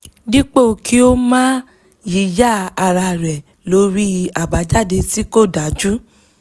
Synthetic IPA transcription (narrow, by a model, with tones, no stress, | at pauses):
dĩ˦k͡po˦˨ki˦o˦mãː˦ | ji˨˦ja˦˨a˧˨ɾa˧ɾɛ˨ | lo˧˦ɾi˦˧a˨ba˨˦d͡ʒa˦˨de˧ti˦ko˦˨da˨˦d͡ʒu˦